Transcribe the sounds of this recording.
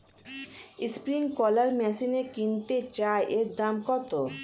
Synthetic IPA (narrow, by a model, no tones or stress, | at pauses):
ispɾiŋkɔlaɾmɛsinekint̪et͡ɕaeʔeɾd̪amkɔt̪o